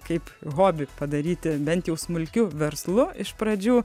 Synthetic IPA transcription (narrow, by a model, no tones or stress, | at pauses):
kɐɪpɣoːbʲɪpɐd̪ɐɾʲiːt̪ʲɪbʲɛnt̪jɛʊsmʊlʲkʲʊʋʲɛɾslˠʊɪʃpɾɐd͡ʒʲuː